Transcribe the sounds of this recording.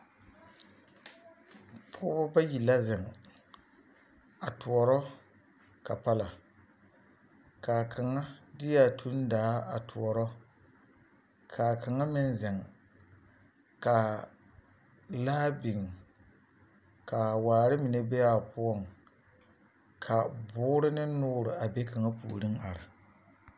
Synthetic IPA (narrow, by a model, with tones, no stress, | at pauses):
pʰʊ̰˦bɔ˦ba˦ji˨la˦zɛ˨ŋ | a˨tu˨ɔ˨ɾɔ˦ | ka˨pa˦la˨ | kaː˨kʰa˨ŋa˦dɪ˦ja˦tʰu˦n˦daː˨˦a̰˨tʰu˨ɔ˨ɾɔ˦ | kʰa˨ka˨ŋa˦mɪ˦n˦zɛ˨ŋ | ka˨ | laː˦bɪ˨ŋ | ka˨waː˨ɾɪ˦mi˨ne˦bɛ˦ja˦˨pʊ˦ɔ˦˨ŋ | kʰa˨bʊː˦ɾɪ˦nɪ˦nʊː˦ɾɨ˨a˨be˦ka˨ŋa˦pṵ˨o̰˨ɾɨ˦ŋa˨ɾɪ˨